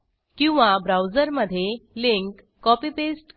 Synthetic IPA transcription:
kĩw̃ʋabɾawd͡zəɾməd̪ʱːjeliŋkː | ɔpipesʈ

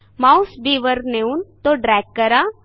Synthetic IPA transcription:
maːʊsbiːʋəɾneunt̪oɖɾɛːk̚ːəɾa

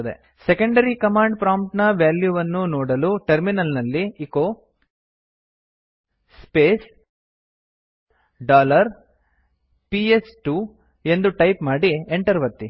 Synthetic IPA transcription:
d̪ḛ | sekɐɳɖɐɾikɐmaːɳɖpɾaːmʈnɐʋjaːljuʋɐnːunɔːɽɐluʈɐɾminɐlnɐlːiːko | speːs | ɖaːlɐɾ | piesʈu | e̞nd̪uʈɐjpmaːɽieɳʈɐɾʋɐt̪ːi

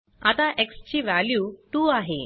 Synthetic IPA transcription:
at̪aʔekst͡ɕiːʋæljuʈuaɦḛ

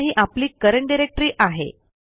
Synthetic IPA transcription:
ɦiːʔapliːkəɾəɳʈ̚ɖiɾek̚ʈɾiːʔaɦḛ

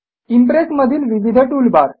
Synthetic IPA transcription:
impɾesməd̪ʱiːlʋiʋid̪ʱəʈulbaɾ

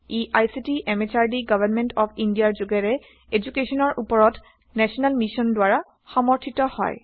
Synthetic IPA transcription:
iʔajsitiʔɛmet͡ʃaɹdiɡɔbʱanmɛntɔpʰindijaɹzuɡɛɹɛ | ed͡ʒukesɔnɔɹʔupɔɹɔt | nɛsʰɔnalmisɔndwaɹa | xɔmɔɹtʰitɔhɔ̰j

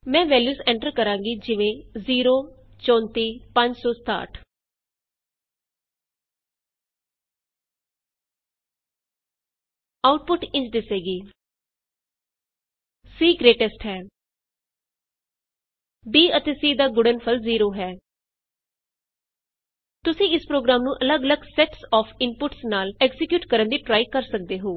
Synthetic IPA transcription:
mɛ̃ːʋɛːljuːsɛ̃ɳʈəɾkəɾãːŋɡiːd͡ʒɪʋẽːziːɾoː | t͡ʃɔ̃ːnt̪iːpəɲd͡ʒsɔːst̪a̰ːʈʰ | aːʊʈ̚pʊʈɪ̃ɲt͡ʃd̪ɪseːɡiː | siːɡɾeːʈɛsʈɦɛː | biːət̪eːsiːd̪aːɡʊɖənpʰəlziːɾoːɦɛː | t̪ʊsĩːɪspɾoːɡɾaːmnũːʔələɡələɡsɛʈsɔːpʰɪmpʊʈsnaːlɛkzɪkjuːʈkəɾənd̪iːʈɾaːikəɾsək̚d̪eːɦoː

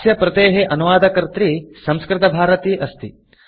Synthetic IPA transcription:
sjɐpɾɐt̪eːɦeʔɐnuʋaːd̪ɐkɐɾt̪ɾisɐ̃mskɾɪt̪ɐbʱaːɾɐt̪iːʔɐst̪i

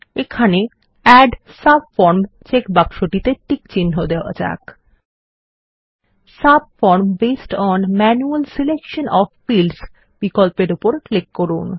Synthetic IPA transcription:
ekʰane | ɛɖsab̚fɔɾmt͡ɕekbakʃoʈit̪eʈikt͡ɕinɦod̪eoa̰d͡ʑa̰k | sab̚fɔɾmbesʈɔnmɛnualsilekʃonɔffilɖs | b̥ikolpeɾupoɾklikːoɾun

